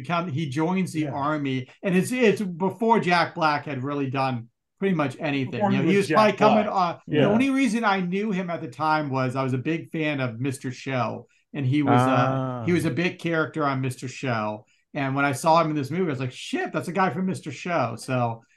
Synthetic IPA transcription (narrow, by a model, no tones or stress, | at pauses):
kʰʌ̃nid͡ʒɔ̃ɪ̃nzðiʔɑɹmiɨ̃nɨtsɪtsbəfɔɹd͡ʒæk̚b̥lækhɨd̚ɹɪlˠidʌ̃n | pʰɹ̥ɪɾimʌt͡ʃɛɾ̃iθɪ̃jɨnoʊiwʌz̥aɪlikʰʌ̃mɪ̃ŋʌðiõʊ̃nliɹizɨ̃naɪnjʉɨ̃mɨt̪̚ðɨtʰãɪ̃mwʌzaɪwʌzɨbɪɡ̥̚fæ̃nʌvmɪstə˞ʃoʊ | ɨ̃niwʌzʌhiwʌzɨbɪɡ̚kʰɛɹɨk̚tə˞ɨ̃nmɪstə˞ʃoʊ | ɨ̃nwə̃ɾ̃aɪsɔɨ̃mɨnðɪsmʉviaɪzlaɪkʃɪt̪̚ðætsɨɡaɪfə˞mɪstə˞ʃoʊsoʊ